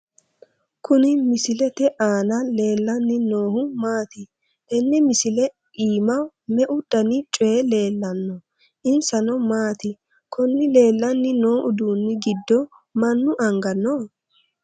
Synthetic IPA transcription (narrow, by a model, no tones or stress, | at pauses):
kʰʊnɪmɪsɪlɛt̪ɛʔaːnɐle̞ːlːɐnːɪnoːhʊmaːt̪ɪ | ɛnːɛmɪsɪlɛ | iːmɐ | mɛʔʊdɐnɪt͡ʃʼɔele̞ːlːɐnːɔ | ʔɪnsɐnɔmaːt̪ɪ | kʰɔnːɪle̞ːlːɐnːɪno̞ːʔʊd̪uːnːɪɡɪd̪ːɔ | mɐnːʊʔɐŋɡɐnːɔ